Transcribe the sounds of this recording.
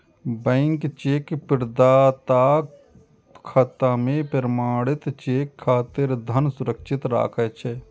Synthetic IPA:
bə̃ɪŋkt͡ʃekpɪɾd̪aːt̪aː | kʰɐt̪amẽpəɾmaːɽɪt̪t͡ʃekʰːaːt̪ɪɾd̪ʱənsʊɾəkʃʰɪt̪ɾa̰ːkʰət͡ʃʰɛ

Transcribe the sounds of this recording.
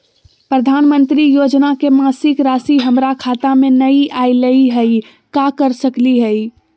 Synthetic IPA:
pɾɐd̪ʱaːnmə̃nt̪ɾijoːd͡ʒnakemaːsɪkɾaːsiɦɐmɾakʰaːt̪amẽnɐiʔaːiləiɦɛi | kakəɾsəkliɦɛi

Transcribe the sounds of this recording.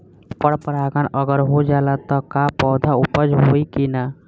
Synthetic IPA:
pəɽpəɾaɡanəɡəɾɦod͡ʒalat̪ɔkapɔwd̪ʱaupəd͡ʒɦoikina

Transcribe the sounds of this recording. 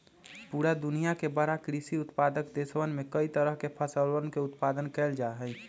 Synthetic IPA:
puɾad̪ʊnijakebəɾakɾisiʊt̪pad̪əkd̪eswənmẽkəit̪əɾəɦkepʰəsəlwəɾnkeʊt̪pad̪ənkɛɪld͡ʒaɦəɪ

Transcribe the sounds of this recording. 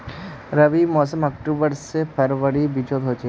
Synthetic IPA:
ɾɐʋimɔːsəmɐk̚ʈuːbəɾsepʰɐɾʋəɽibid͡ʒoːd̪ɦoːt͡ʃ

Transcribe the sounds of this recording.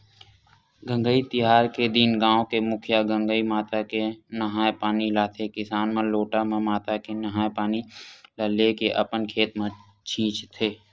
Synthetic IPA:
ɡə̃ŋɡəit̪ɪɦaːɾked̪iːnɡãːõkemʊkʰjaɡə̃ŋɡəimaːt̪akenɐɦaːpaːnilaːt̪ʰekɪsaːnmẽloːʈamẽmaːt̪akenɐɦaːpaːniləlekeʔɐpənkʰeːt̪mẽ | t͡ʃʰĩːt͡ʃt̪ʰeː

